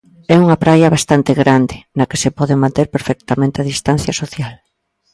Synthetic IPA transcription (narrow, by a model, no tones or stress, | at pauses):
ɛuŋɐpɾajɐβ̞ast̪ant̪eɣɾand̪ɪnake̥sepɔðemãnt̪eɾpeɾfɛk̚t̪amẽnt̪eaðist̪an̟θjɐsoθjal